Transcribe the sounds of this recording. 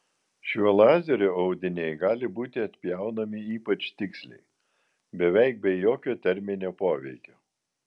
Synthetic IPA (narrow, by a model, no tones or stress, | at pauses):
ʃʲɛlˠɑːzʲɛɾʲoːɐʊd̪ʲɪnʲeɪɡɑːlʲɪbuːt̪ʲɪɐt̪ʲpʲjæˑʊnɐmʲɪiːpɐt͡ʃt̪ʲɪksʲlʲɛ̰ɪ | bʲɛʋʲɛɪk̚bʲɛjoːkʲoːt̪ʲɛɾʲmʲɪnʲoːpoːʋʲɛɪkʲoː